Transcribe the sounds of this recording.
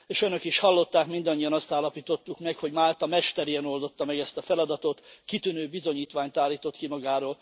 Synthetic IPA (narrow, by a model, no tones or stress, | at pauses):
eːʃønø̞kiʃhɒlːo̞t̪ːaːkmind̪ɒɲːijɒnɒst̪aːlɒpiːt̪o̞t̪ːukmɛkho̞ɟmaːlt̪ɒmɛʃt̪ɛɾeɛno̞ld̪o̞t̪ːɒmɛɡɛst̪ɒfɛlɒd̪ɒt̪ot̪kit̪ynøːbizo̞ɲiːt̪ʋaːɲt̪aːlːiːt̪o̞t̪kimɒɡaːɾoːl